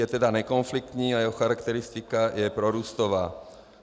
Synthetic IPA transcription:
ɛt̪ɛd̪aɲɛkɔnflik̚t̪ɲiːajɛɦɔxaɾakt̪ɛɾist̪ikajɛpɾɔɾuːst̪ɔʋaː

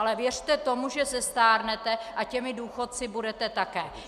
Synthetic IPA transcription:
alɛvjɛr̝̥t̪ɛt̪o̞muʒɛsɛst̪aːɾnɛt̪ɛʔacɛmɪduːxot̪̚t͡sɪbudɛt̪ɛt̪akɛː

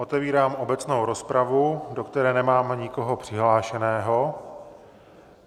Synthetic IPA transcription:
ot̪ɛviːɾaːmʔobɛt͡snowɾo̞spɾavudokt̪ɛɾɛːnɛmaːmɲɪkoɦo̞pr̥ɪɦlaːʃɛnɛːɦo̞

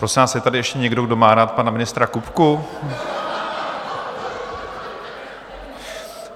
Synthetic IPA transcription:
pɾo̞sɪnvaːsjɛt̪adɪɛʃcɛɲɛɡdoɡdo̞maːɾaːt̪̚panamɪnɪst̪ɾakupku

